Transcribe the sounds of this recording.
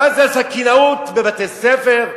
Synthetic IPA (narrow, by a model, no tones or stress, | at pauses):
azasakinaut̪bebat̪esefeʁ